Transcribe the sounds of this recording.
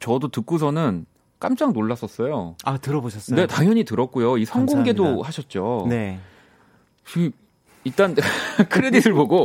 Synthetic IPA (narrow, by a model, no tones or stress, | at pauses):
t͡ɕʌdotɯk͈us̬ʰʌnɯn | k͈a̰mt͡ɕ͈aŋnoɭːas͈ʌs͈ʌjoatɯɾʌboɕʰʌs͈nne̞taŋjʌɲitɯɾʌt̚k͈ujoisʰʌŋɡoŋɡe̞dohaɕʰʌt̚t͡ɕ͈oe | t͡ɕi | iɭt͈ankʰɯɾedisʰɯɭboɡo